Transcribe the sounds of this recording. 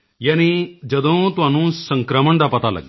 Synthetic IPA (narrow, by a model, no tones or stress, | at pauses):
janid͡ʒɐd̪õt̪ʋãnũːsə̃ŋkɾaməɳd̪apɐt̪alɐ̰ɡ̪